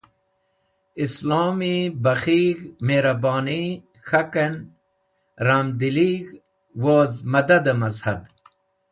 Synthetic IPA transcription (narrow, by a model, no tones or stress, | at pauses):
islaːmibɐxiɡmeɾabaːni | xaken | ɾamd̪iliːɡ | woːzmɐd̪ad̪amɐzhab